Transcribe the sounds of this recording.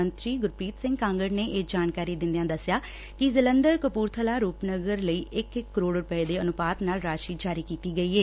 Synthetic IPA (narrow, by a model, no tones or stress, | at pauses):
ənt̪ɾiːɡʊɾpiːt̪sɪ̃ŋɡkãːŋɡəɾneːʔeːd͡ʒaːnkaːɾiːd̪ɪ̃nd̪ejãːd̪əsːjaː | kɪzɪlənd̪əɾkəpuːɾt̪ʰəlaːɾuːpnəɡəɾləiːʔɪkɪkːəɾoːɽɾʊpəeːd̪eːənʊpaːt̪naːlɾaːʃiːd͡ʒaːɾiːkiːt̪iːɡəiːɦeː